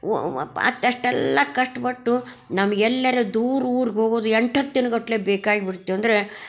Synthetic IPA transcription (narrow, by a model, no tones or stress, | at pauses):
ɐ̰t̪ːɐʂʈɛlːɐkɐʂʈɐpɐʈːu | nɐmːɐɡɛlːɐɾed̪uːɾuːɾiɡɦo̞ːɡoːd̪uɛɳʈɐt̪ːinɐɡoʈːle̞ːbeːkaːɡibiɽut̪ːiʋɐnd̪ɐɾe